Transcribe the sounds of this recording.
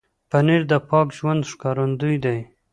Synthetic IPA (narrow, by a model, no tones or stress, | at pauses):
paniɾd̪əpɑkʒwand̪ʂkɑɾand̪ujd̪aj